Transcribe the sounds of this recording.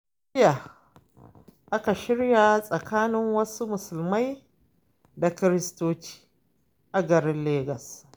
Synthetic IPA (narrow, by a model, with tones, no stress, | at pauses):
ja˨ | ʔa˦ka˨ʃɪ˦ɽja˨sʼɐ˨kʰaː˦nɪ˦ŋwɐ˦su˦mʊ˨sʊ˨lma˦j | da˨kɪ˦ɾɪ˦stoː˦t͡ʃi̥ː˦ | ʔa˨ɡɐ˨ɾɪ˦nleː˦ɡɐ˨s